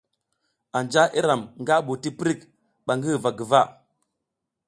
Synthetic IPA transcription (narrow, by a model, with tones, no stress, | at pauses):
a˨nd͡ʒa˦ʔi˦ɾa˨mŋɡa˦ɓu˨ti˦pɾi˦k | ɓa˨ŋɡi˦˨va˨ɡə˨va˦